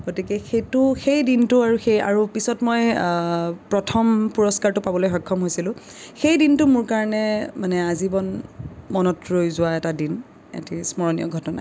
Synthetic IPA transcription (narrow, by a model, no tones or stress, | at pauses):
ɡ̥otikɛxejtʊxejdintʊaɹuxeja̰ɹupisɔtmɔj | pɹɔtʰɔmpuɹɔskaɹtʊpabɔlojxɔjkʰːɔmɦojsilʊ̃ | xejdintʊmʊɹkaɹɔnɛmanɛazibɔnmɔnɔtɹojzʊwaɛtadin | ɛ̰tismɔɹɔnijɔ̰ɡʱɔtɔna̰